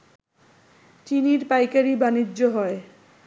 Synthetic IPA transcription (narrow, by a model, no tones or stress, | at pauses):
t͡ɕiniɾpajkaɾibanidd͡ʑoɦɔe